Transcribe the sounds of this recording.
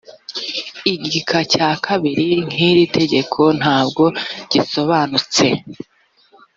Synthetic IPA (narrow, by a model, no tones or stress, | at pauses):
iɟikʰacaːkʰaβiɾiŋ̥iɾitʰe̞ɟe̞kʰo̞n̥haːbɡo̞ɟ̥iso̞βanut͡se̞